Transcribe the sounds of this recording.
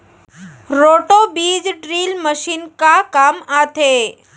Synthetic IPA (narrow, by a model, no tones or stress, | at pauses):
ɾoʈobid͡ʑɖɾilməʃinkakamat̪ʰe